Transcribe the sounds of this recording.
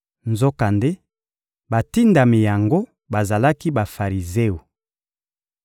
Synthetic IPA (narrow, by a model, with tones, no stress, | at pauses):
nzo˦ka˨nde˦ | ba˨ti˦nda˨mi˨ja˨ŋɡo˦ | ba˨za˨la˦ki˦ba˨fa˨ʁi˨ze˦o˨